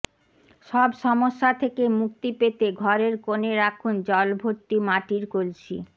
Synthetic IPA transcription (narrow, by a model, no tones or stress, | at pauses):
ʃɔbʃɔmoʃːat̪ʰekemuk̚t̪ipet̪eɡʱɔɾeɾkoneɾakʰund͡ʑɔlbʱoɾt̪ːimaʈiɾkolt͡ɕʰi